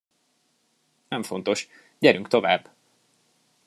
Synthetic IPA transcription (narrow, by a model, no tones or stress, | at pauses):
nɛɱfo̞n̪t̪o̞ʃ | ɟɛɾyŋkt̪o̞vaːbː